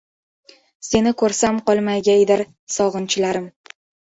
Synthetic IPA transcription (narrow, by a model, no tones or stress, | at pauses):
se̞nɪkʰɵɾsamqɒlˠmajɡʲajd̪ɪɾ | sɒʁɨnt͡ʃʰɪlaɾɪm